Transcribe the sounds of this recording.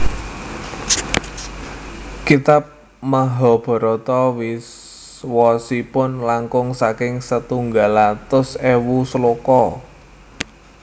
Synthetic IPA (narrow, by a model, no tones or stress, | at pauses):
kit̪ap̚ | maɦɔb̥ɔ̤ɾɔt̪ɔwis | wɔsipʊnlaŋkʊŋsakɪŋsət̪uŋɡalat̪ʊsewusəlokɔ